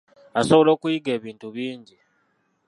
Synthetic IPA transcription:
asoβolo̞ːkujiɡe̞ːβiːntuβiːɲɟi

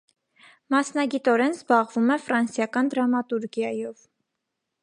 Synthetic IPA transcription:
mɑsnɑɡit̪ɔɾɛnzbɑʁvumɛfɾɑnsjɑkɑnd̪ɾɑmɑt̪uɾɡjɑjɔv

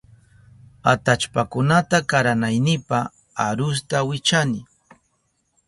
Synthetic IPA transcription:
at̪at͡ʃpakʊnat̪akaɾanajnɪpa | aɾʊs̬t̪awɪt͡ʃanɪ

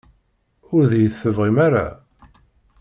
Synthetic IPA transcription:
ʊɾðjəθːəvʁimaɾa̰

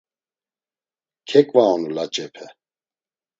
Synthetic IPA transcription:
kʰɛkʼvaɔnulat͡ʃʼɛpʰɛ

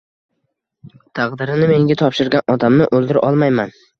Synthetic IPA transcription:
t̪ʰɑqd̪ɪɾɪnɪme̞ŋɡʲat̪ʰɒpʃɪɾɡʲanʔɒd̪amnɪʔɵlˠd̪ɪɾʔɒlˠmajman

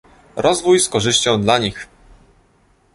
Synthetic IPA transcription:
ɾʔɔzvujskɔʐɘɕt͡ɕɔ̃w̃d̪laɲix

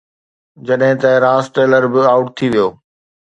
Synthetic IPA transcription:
d͡ʑɐɗɦɪ̃t̪ɐɾãːsʈeːləɾbɪaːʊʈ̚t̪ʰiʋijoː

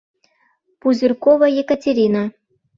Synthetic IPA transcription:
puzʲirkovajekətʲeɾʲina

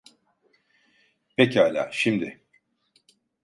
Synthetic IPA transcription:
pʰecialʲa̰ːʃimd̪ɪ

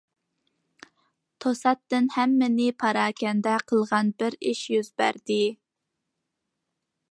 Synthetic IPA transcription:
t̪ʰosɑt̪ːɨnhɛmːɪnɪpʰɑɾɑːkʲʰɛnd̪ɛqʰəlˠʁɑnbɪɾiʃjyzbæ̰ɾd̪ɪ

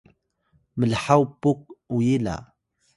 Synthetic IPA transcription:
məlħawpːuk̚wjila̰

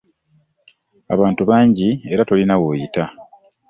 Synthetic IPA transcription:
a̰βaːntuβaːɲɟie̞ɾato̞linawoːjita

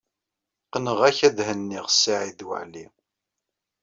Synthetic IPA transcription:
qənəʁæçæðhənːiʁsːaʕiðwə̰ʕli

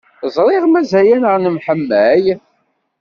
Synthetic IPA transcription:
zˤɾˤɪʁmæzæjænəʁnəmħəmːæj

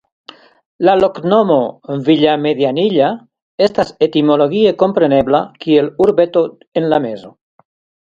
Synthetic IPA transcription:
laloknomoβiʎameðjaniʎa | est̪aset̪imoloɣiekompɾeneβlakʰieluɾβet̪o | enlamezo

